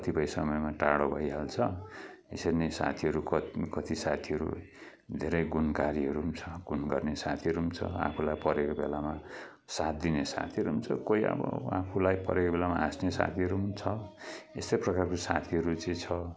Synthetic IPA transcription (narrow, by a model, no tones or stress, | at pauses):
kʌt̪ʰipʌjsʌmʌjmaʈaɽobʱʌjɦalt͡sʰʌ | esʌnesa̰t̪ʰiɦʌɾukʌkʌt̪ʰisat̪ʰiʌɾṵ | d̪ʱeɾʌjɡunkaɾiɦʌɾuɦumt͡sʰʌɡunɡʌrnesat̪ʰiʌɾuumt͡sʰʌ̰a̰pʰulajpʌɾekobelama | sat̪̚d̪inesa̰t̪ʰiʌɾuɦunt͡sʰʌkoiʌ̰bʌ̰apʰulajpʌ̰ɾekobelamaasnesa̰t̪ʰiɦʌɾũnt͡sʰʌest̪ʌjprʌkarkosa̰t̪ʰiɦʌɾut͡sʌĩt͡sʰʌ